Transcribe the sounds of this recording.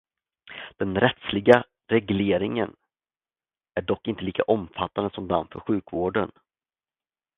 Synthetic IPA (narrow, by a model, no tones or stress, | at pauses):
d̪̥ɛnɾɛt̪slɪɡa | ɾɛɡleːɾɪŋən | æɖɔkːɪnt̪əliːkaʔɔmfat̪ːand̪əsɔmd̪amfœ̰ɾɧʉ̟ːkvoːɖən